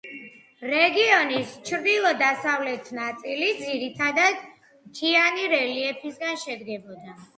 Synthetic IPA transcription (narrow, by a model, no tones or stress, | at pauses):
ɾɛɡiɔnist͡ʃʰɾd̪ilˠɔd̪asavlɛt̪ʰnat̪sʼilid̪ziɾit̪ʰad̪ad̪̥ | t̪ʰianiɾɛliɛpʰisɡanʃɛd̪ɡɛbɔd̪a